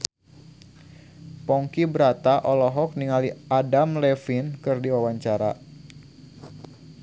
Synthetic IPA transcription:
pɔŋkibəɾat̪aʔɔlɔɦɔk̚niŋaliadamlɛfinkɨrdiwawaɲt͡ʃaɾa

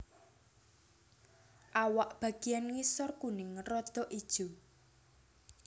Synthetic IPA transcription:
ʔawaʔb̥ä̤ɡ̥ianŋisɔrkunɪŋrɔd̪̥ɔʔid̥ʒ̥u

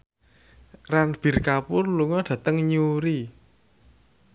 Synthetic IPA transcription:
ranb̥i̤rkapʊrluŋɔɖ̥ä̤t̪əŋɲuɾi

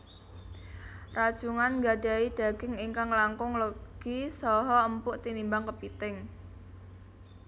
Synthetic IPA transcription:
rad̥ʒ̥uŋanŋɡad̪̥aid̪̥a̤ɡ̥ɪ̤ŋiŋkaŋlaŋkʊŋləɡ̥isɔɦɔəmpʊʔt̪inimbaŋkəpit̪ɪŋ

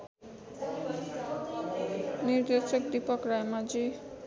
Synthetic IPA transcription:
niɾd̪esok̚d̪ipɔkɾajmad͡ʒi

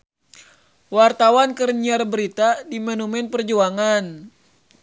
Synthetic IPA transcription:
wart̪awankərɲiarbəɾit̪adimɛnumɛnpərd͡ʒuaŋan

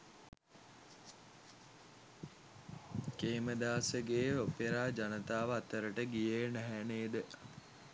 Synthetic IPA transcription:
keːməd̪aːsəɡeːopeɾaːd͡ʒanət̪aːʋəat̪əɾəʈəɡijeːnæɦæneːd̪ə

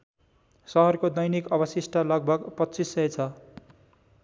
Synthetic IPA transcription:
sʌɦʌrkod̪ʌjnikʌbʌsisʈʰʌlʌɡ̚bʱʌɡpʌt͡sisːʌet͡sʰʌ

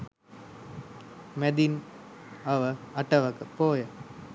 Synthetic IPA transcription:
med̪in | ɐʋɐɐʈːɐʋɐkɐpoːjɐ

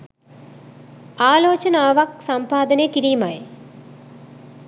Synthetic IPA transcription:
aːloːt͡ʃɐnɐaːʋɐk̚sɐmpaːd̪ɐneːkiɾimaj

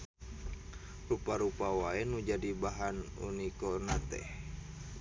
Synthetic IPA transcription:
rupaɾupawaɛnud͡ʒadibaɦanṵnikonat̪ɛ̰h

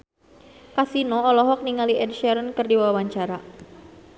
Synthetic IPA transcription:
kasinɔɔlɔɦɔk̚niŋaliʔɛd̚ʃɛɾənkɨrdiwawawaɲt͡ʃaɾa

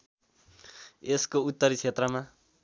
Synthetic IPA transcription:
eskout̪ːʌɾit͡sʰet̪rʌma

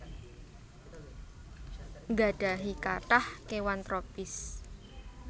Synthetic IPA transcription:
ŋɡa̤ɖ̥a̤ɦikaʈahkewant̪ɾopɪs

